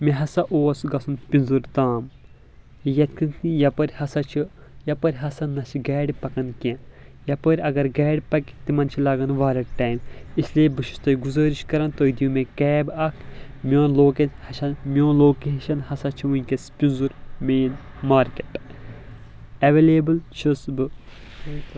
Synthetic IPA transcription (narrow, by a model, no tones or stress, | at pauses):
meɦɐsɐʔoːsɡɐsʰunpʲinzuɾt̪aːm | jɐt̪kʰinʰijɐpɐɾʲhɐsɐt͡ʃʰi | jɐpɐɾʲɦɐsɐnɐʃiɡɛːɖpɐkɐnkʲẽjɐpɐɾʲɐɡɐɾɡɛːɖʲpɐkʲt̪imɐnt͡ʃʰilaːɡɐnʋaːɾɐʈaːjmisliebɨʃi̥st̪oiɡuzɐːɾiʃkɐɾɐnt̪od̪ijũmẽkɛːbɐkʰ | mʲõːnloːkenhɐʃɐnmʲõːnloːkeːʃɐnhɐsɐt͡ʃʰiunkespʲunzuɾmeːn | maːɾkeʈ | ɐʋeːleːbɨlt͡ʃʰisbɨ